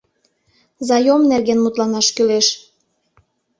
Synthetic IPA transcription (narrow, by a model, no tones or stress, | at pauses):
zɑjomnerɣenmut̪lɑnɑʃkyleʃ